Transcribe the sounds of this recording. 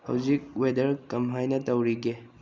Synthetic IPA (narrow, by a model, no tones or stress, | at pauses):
hɐ̰wzik̚wedɐɾkɐmɦajnɐtɐwɾiɡe